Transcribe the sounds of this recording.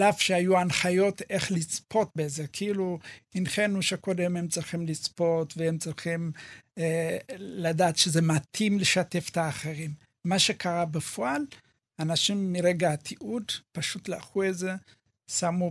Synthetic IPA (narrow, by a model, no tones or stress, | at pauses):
lafʃeajuanχajo̞t̪e̞χlit͡spʰo̞t̪̚bezekʰeiluinχenuʃakod̪emhemt͡siχimlit͡spo̞t̪veemt͡siχim | ladaːt̪ʃeze̞matʰimleʃate̞fe̥t̪aːχeʁimː | aʃe̞kaʁabefoʔal | anaʃimːiʁeɡaat̪ʰiʔudpaʃut̪laaχueze | samu